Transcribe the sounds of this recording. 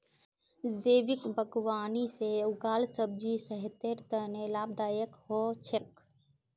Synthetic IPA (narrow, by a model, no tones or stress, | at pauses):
zeːʋɪkbʱəɡwaːniseʊɡaːlsəb̚d͡ʒisɐɦɪt̪eɾt̪ənelaːb̚d̪aːjəkhoːt͡ʃʰek